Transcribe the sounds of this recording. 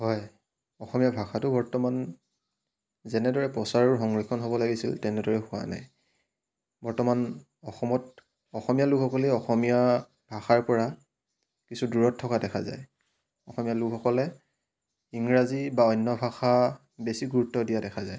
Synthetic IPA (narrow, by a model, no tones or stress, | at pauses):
ɦɔj | ɔxɔmijabʱaxatʊbɔɹtɔman | zɛnɛdɔɹɛpɔsaɹɔɹɦɔŋɹikʰɔnɦobɔlaɡisḭltɛnɛdɔɹɛxʊwa̰na̰j | bɔɹtɔman | ɔxɔmɔt | ɔxɔmijalukʰɔkɔliɔxɔmija | bʱaxaɹpɔɹa | kisuduɹɔtʰːɔkadɛkʰa̰za̰j | ɔxɔmijalukʰɔkɔlɛ | iŋɹazibaɔjnːɔbʱaxa | besiɡuɹutːɔdijadɛkʰazaj